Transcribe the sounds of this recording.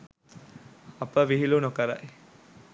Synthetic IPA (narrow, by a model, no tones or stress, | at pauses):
ɐpəʋiɦilunokɐɾɐ̰ʔ